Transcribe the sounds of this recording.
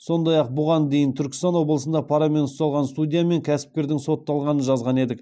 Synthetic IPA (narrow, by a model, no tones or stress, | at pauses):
so̞nd̪ɑjɑq̚bʊʁɑnd̪e̞jɪnt̪ʰʏɾkʲɪ̥st̪ɑnwo̞blˠəsənd̪ɑpʰɑɾame̞nʊst̪ɑlˠʁɑnst̪udʲijame̞ŋkʲʰæsɪ̥p̚kʲe̞ɾd̪ɪŋso̞t̪ːɑlˠʁɑnənʒɑzʁɑne̞d̪ɪk